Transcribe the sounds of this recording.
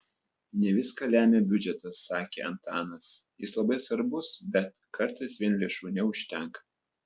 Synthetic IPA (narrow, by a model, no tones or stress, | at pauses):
nʲɛʋʲɪskɑlʲæːmʲeːbʲʊd͡ʒʲɛt̪ɐsːɑːkʲḛːɐnt̪ɑːnɐsjɪslˠɐbɐɪsʋɐɾbʊsbʲɛt̪ | kɐɾˑt̪ɐɪsʋʲiɛnlʲeɛʃuːnʲɛʊʃʲt̪ʲɛŋk